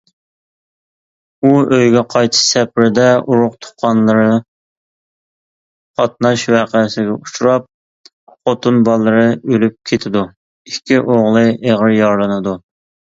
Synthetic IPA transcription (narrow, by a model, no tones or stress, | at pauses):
uøjɡʲɛqʰɑjt̪ʰʃsɛpɾɪd̪ɛʔuɾʊqt̪ʰʊ̥qʰːɑnlˠɨɾɨ | qʰɑt̪̚nɑʃwæqəsɪɡʲɛut͡ʃʰuɾɑp̚ | χot̪ʰunbɑlˠːɨɾɨølyp̚kʲʰet̪ʰɪd̪u | ikʲʰːiʔoʁlˠɨeʁɾjɑɾlˠɨnɨd̪u